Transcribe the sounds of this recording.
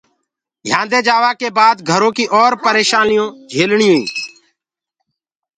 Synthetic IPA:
ɡjãːnd̪eːd͡ʒaːʋaːkeːbaːd̪ɡʱəɾõːkiːʔɔːɾpəɾeːʃaːnɪjõːd͡ʒʱeːlɳɪjõːḭ̃ː

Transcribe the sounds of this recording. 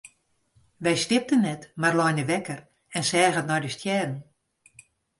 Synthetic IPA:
ʋɛjstɪp̚tənːɛtmarlɔjnəʋɛkər | ɛnsɛːɣətnɔjdəstʰjɛːdn̩

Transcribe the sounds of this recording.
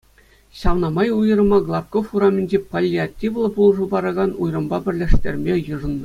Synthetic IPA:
ɕɑʋnɑmɑjujɤ̆rmɑɡlˠɑpkofuramʲĕnʲd͡ʑepolʲːiatʲːiʋlˠɤ̆bulˠʐubɑɾɑɡɑnujrɤ̆mbɑbʲɘ̆rʲlʲĕʂt̪ʲḛrʲmʲejɯ̆ʐɤ̆nːɤ

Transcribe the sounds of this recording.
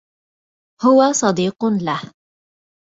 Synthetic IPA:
hʊwasˤɑd̪iːqlah

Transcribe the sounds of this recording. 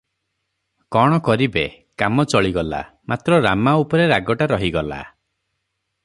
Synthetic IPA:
kɔɽ̃ɔkɔɾibe | kamɔt͡ʃɔɭiɡɔla̰ | mat̪ɾɔɾamaupɔɾeɾaɡɔʈaɾɔɦiɡɔla̰

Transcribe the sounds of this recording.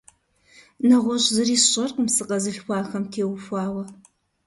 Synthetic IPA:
nɐʁʷɔɕzɨriːsɕʼɐrqəmsɨqɐzɨɬxʷɑːxɐmtʰeːwfʷɑːwɐ

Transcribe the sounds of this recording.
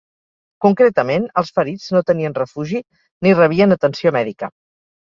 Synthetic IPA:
kuŋkɾet̪əmenəlˠsfəɾid͡znot̪əniənrəfuʒi | nirəβ̞iənət̪ənsiomɛðikə

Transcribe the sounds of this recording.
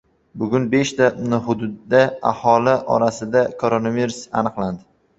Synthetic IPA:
bʊɡʲʊnbe̞ʃt̪anɪɦʊd̪ʊd̪ːaa̰hɒlɪʔɒ̰ɾasɪd̪akʰoɾonaviɾusa̰nɨqlˠand̪ɪ

